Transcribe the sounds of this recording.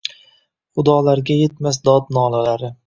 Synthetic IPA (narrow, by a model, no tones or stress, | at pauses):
χʊd̪ɒːlaɾɡʲajet̪mas̬d̪ɒd̪nɒːlalaɾɪ